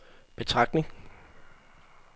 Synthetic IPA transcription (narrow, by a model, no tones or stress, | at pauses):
b̥e̝t͡sʰʁɑ̈ɡ̥ne̝ŋ